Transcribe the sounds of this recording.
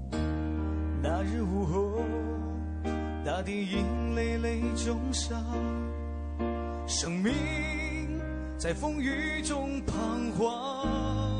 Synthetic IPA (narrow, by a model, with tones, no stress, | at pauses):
na˧˥ɻ̩˥˧˩wu˧˩xo˧˦ | t̪a˧˥t̪i˧˩ŋi˧˥ŋle˧ɪle˥˧ɪt͡ɕʊ˧˥ŋʂa˧ | ʂɤ˨˩ŋmi˧˥ | t͡sa˥˩ɪfɤ˥ŋy˧˦ | ʈ͡ʂʊ˥ŋpʰa˧ŋxwa˧